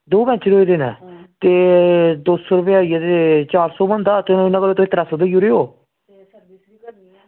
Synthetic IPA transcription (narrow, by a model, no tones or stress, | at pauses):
d̪oːbɛ̃t͡ʃɾoid̪eːnɛ̰ːt̪eːd̪oːsoːɾəpɪaːiat̪eːt͡ʃaːɾsɔːbə̃nd̪aːt̪ːñːɪnãːɡəlːoːt̪oẽːt̪əɾasod̪ejuɾeːoː